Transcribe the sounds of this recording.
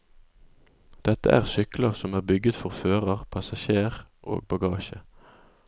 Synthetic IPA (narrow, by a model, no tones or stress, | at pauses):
d̪̥ɛt̪ə̰ʔæːʁsʏkləʁsɔmæːʁbʏɡət̪fɔʁføːʁəʁpʰɑsɑʃeːʁʔo̰ːɡ̚bɑɡɑːʃə